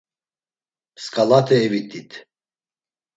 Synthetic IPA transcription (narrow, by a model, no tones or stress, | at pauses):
skʼalat̪ʰɛːvit̪ʰʼit̪ʰ